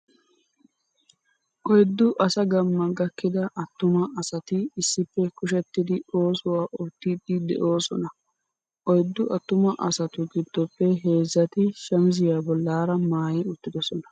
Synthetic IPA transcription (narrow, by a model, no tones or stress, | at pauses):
ʔɔjd̪ːʊʔɐsɐɡɐmːɐɡɐkːɪd̪ɐʔɐt̪ːʊmɐɐsɐt̪ɪɪsːɪpːɛkʊʃ̬ɛt̪ːɪd̪ɪo̞ːsʊwaːʔɔt̪ːɪd̪ɪd̪ɛ̰ʔo̞ːsɔnɐ | ʔɔjd̪ːʊʔɐt̪ːʊmɐʔɐsɐt̪ʊɡɪd̪ːɔpːɛɦe̞ːzːɐt̪ɪʃɐmzɪjaːbɔlːaːɾɐmaːjɛʊt̪ːɪd̪ɔsɔnɐ